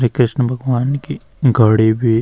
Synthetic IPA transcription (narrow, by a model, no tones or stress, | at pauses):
ɾekɾɪʃnəbʱɐɡʋaːnki | ɡʱəɽibʱi